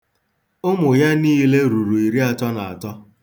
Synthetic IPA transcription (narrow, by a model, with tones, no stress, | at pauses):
ʊ˦mʊ˨ja˦niː˦le˦ɾu˨ɾu˨i˨ɾi˦a˨tɔ˦na˨a̰˨tɔ˦